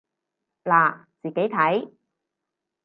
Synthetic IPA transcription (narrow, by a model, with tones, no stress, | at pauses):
laː˨˩t͡siː˨ke˨˥jt̪ʰɐ˨˥j